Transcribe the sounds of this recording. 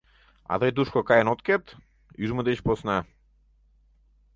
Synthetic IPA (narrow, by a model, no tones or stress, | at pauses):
a̰d̪ajd̪uʃkɔkajɛnɔt̪kɛt̪ | iʒmud̪ɛʃpɔsnaɛ